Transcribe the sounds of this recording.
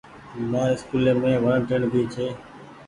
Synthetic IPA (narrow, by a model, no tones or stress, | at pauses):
mãːɪskuːleːmẽːʋaːɳʈəɳbʱiːt͡ʃʰeː